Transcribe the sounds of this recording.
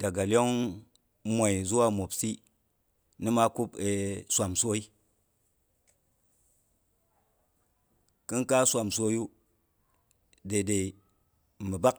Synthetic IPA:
d̥a˨ɡa˨lo˦ŋ | mʷa˨i˨zu˦wa˦mo˨psi˦ | ni˦ma˦ku˦pe˨sʷa˨mso˦i˦ | kɨ˦nka˦sʷa˨mso˦ju˦ | de˨de˨i˨ | mi˨ba˦k

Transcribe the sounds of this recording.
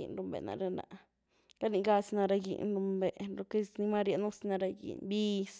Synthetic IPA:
ḭ˧nɾu˧mbḛ˨na̰˧ɾe˧na̰˧ | la˦ni˧ɡa˧sna˧ɾa˧ɡḭ˧˨nɾu˧mbe˧˨ʔɾo˧ke˦sni˧ma˦ɾja˧nu˦sna˧ɾa˧ɡḭ˨nbi˧s

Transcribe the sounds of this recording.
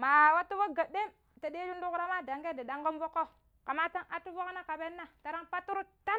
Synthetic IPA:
ma˨wa˦tːu˦wo˦ɡa˨ɗːe˦m | ta˨de˦d͡ʒu˦ndu˦kɾa˦ma˦da˨ŋɡe˦di˨da˦ŋɡo˦mvo˦kːo˦ | ka˨ma˦ta˦na˦tːu˦vo˦kna˦ka˨be˦nːa˦ta˨ɾa˦ŋpa˦tːu˦ɾu˦ta˦n

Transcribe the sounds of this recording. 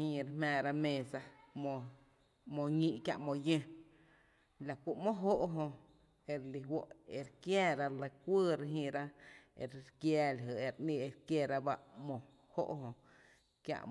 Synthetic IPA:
ĩ˧ɾe˧mɛ̃ː˧˨ɾa˦˧mẽ˧sa˧mo˧ | mõ˧ŋĩ˧ʔkja̰˧ʔmõ˧jẽ˧ | la˨kʷu˧˨ʔmõ˦ʔɦo˦ʔɦõ˧ | e˧ɾli˧ɦwo˦˨ʔe˧ɾkjɛː˦ɾa˧le˧kʷəː˦˧ɾe˧ɦĩ˧ɾa˦ḛ˧ɾɾkjɛː˧la˨ɦə˨e˧ɾʔnĩ˧e˧ɾkje˧˨ɾa˦ba˦ʔmõ˨ | ho̰˦ʔɦõ˧ | kja̰˧ʔ

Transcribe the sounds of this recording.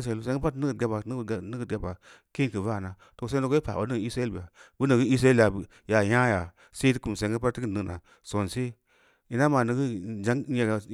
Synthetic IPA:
se˧˨ls̬e˧˦ɡə˦pa˦n˦ɡɡʲa˦pa˨˦n˦˨˦nə˦ɡ̚ɡʲa˦pa˨ | ki˦˨kə˨va˦˨na˨ | to˨s̬no˦ɡo˦i˦pa̰˨o̰˨˦ni˦ɡi˦sa˦lbi˨a˨bu˦nə˨ɡə˦i˦s̬ɾa˦e˦˨ja˨b | ja˨ja˦ja˨ | se˦ti˦ku˨m˨se˨˦ŋɡpa˦tːi˦ɡɨ˦˨nɨ˦ɡna̰˨ | so˨nsi˦ | i˨na˦ma˨nə˨ɡə˦d͡ʒa˨˦ŋ˦ja˨ɡa˨

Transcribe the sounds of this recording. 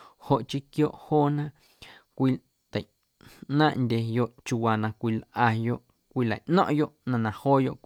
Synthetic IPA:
ho˨ʔt͡ʃi˦kjoː˦ʔhoː˦nã˦ | kʷi˧ | t̪ə˨ | nãː˦ʔndʲe˧jo˧ʔt͡ʃu˧wa˨nã˧kʷi˧lʔa˧jo˦ʔ | kʷiː˦˧la̰˨ʔnɔ̰̃˦ʔjo˦ʔnã˧nã˧hoː˦jo˧˨ʔ

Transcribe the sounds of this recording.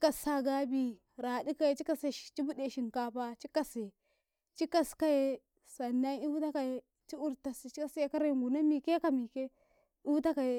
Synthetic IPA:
t͡ʃi˦ka˨sa˦ɡa˦bi˦ | ɾa˨di˦ka˦e˨t͡ʃi˦ka˦se̥˨t͡ʃi˦bu˦de˨ʃi˨ŋka˦pa˦t͡ʃi˦ka˦se˨ | t͡ʃi˦ka˦ska˦je˦ | sa˨nːa˦ni˦u˦ta˦ka˨je˦ | t͡ʃi˦u˦ɾta˨si˨t͡ʃi˦ka˦sje˦ka˦ɾe˦˨ŋɡu˨na˦mi˨ke˦ka˨mi˨ke˦ | i˦u˦ta˦ka˨je˨

